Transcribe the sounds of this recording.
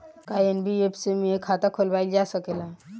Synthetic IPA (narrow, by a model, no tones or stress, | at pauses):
kaenbiepsemiekʰaːt̪akʰolbaːild͡ʒaːsəkela